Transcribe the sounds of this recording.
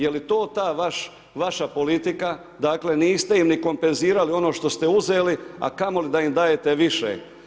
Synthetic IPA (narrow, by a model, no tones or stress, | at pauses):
jelit̪o̞ːt̪aːʋaʃ | ʋaʃapo̞lit̪ika | d̪aːkle̞niːst̪e̞imniko̞mpe̞nziːɾalio̞no̞ːʃt̪o̞st̪e̞uzeːlia̰kamo̞lid̪aimd̪aːje̞t̪e̞ʋiʃḛ